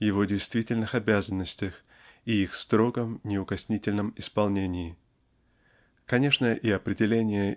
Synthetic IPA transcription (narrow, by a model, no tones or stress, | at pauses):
jɪvo̞dʲɪjst̪vʲitʲɪlʲnɨxɐbʲæzənːəsʲtʲəx | iixst̪ɾo̞ɡəmnʲɪʊkɐsʲnʲitʲɪlʲnəmɪspɐlˠnʲenʲɪɪ | kɐnʲe̞ʂnəʔiɐpɾʲɪdʲɪlʲenʲɪjə